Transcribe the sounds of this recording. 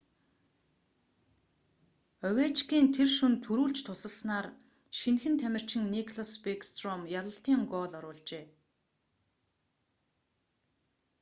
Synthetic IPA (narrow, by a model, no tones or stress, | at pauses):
œwʲæːt͡ɕkiːnt̪ʰerʃunt̪ʰːɵɾuːɮt͡ɕt̪ʰʊsə̆ɮsnaːr | ʃinxɘ̆nt̪ʰæmʲɪ̆r̥t͡ɕɪ̆ŋnikʰɮɔspekst̪rɔmjaɮə̆ɬt̪iːŋɡɔːɮɔɾʊːɮt͡ɕeː